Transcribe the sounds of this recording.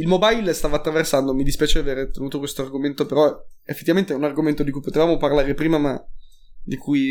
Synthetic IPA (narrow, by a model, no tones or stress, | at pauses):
ilmobajlst̪aːvat̪ːɾaversand̪omid̪ispjaːt͡ʃeaveːɾet̪enuːt̪okwest̪oarɡoment̪opeɾɔefet̪ːivament̪eɛunarɡoment̪od̪ikujpot̪evaːmoparlaːɾepɾiːmama | d̪ikuj